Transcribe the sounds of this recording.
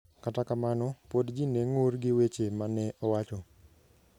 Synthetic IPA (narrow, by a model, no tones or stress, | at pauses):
katakamanɔpodd͡ʒineŋorɡɪwet͡ʃemanɛʔɔwat͡ʃɔ